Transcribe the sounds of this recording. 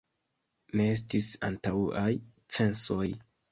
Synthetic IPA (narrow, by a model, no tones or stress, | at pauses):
ne̞es̬tisa̰ntawaj | t͡se̞nso̞j